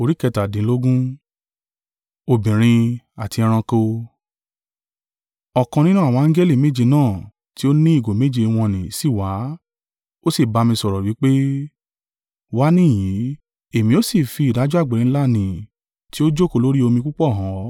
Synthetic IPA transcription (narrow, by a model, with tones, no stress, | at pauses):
o˨˧ɾi˦kɛ˧ta˨dĩ˨˦lo˦ɡũ˦ | o˧bĩ˨ɾ̃ĩ˧ | a˨ti˧ɛ̃˧ɾ̃ã˧ko˧ | ɔ˨kã˧nĩ˦nũ˦a˨wɔ̃˧˦a˧˦ŋ̩˦ɡɛ˦li˦˨me˨˦d͡ʒi˧nãː˦˨ | ti˦o˦nĩ˦i˦˨ɡo˨me˨˦d͡ʒi˧w̃ɔ̃˧nĩ˨si˦˨wa˨˦ | o˦si˦˨ba˧mĩ˧sɔ˧ɾɔ˨wi˨˦k͡pe˦ | wa˦nĩ˦˨j̃ĩ˨˦ | e˦˨mĩ˧o˦si˦˨fi˧˨da˨˦d͡ʒu˦a˦˨ɡ͡be˨ɾĩ˨˦la˦˨nĩ˨ | ti˦o˦d͡ʒo˦ko˧˨lo˦ɾi˦o˧mĩ˧ku˦k͡pɔ˦˨ɦã˨˦